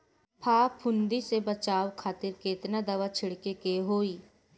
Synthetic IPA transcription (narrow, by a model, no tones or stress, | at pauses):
pʰaːpʰʊ̃nd̪isebət͡ʃaːwkʰaːt̪ɪɾkeːt̪nad̪ɐʋat͡ʃʰɪɽkekeɦoːiː